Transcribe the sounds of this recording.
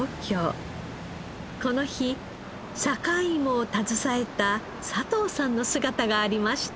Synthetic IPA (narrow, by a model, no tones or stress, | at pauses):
okʲoː | ko̞no̞çi | ɕakaimo̞t̪azɨsae̞t̪a | sat̪o̞ːsãnːo̞sɨɡat̪aɡaːɾʲimaɕi̥t̪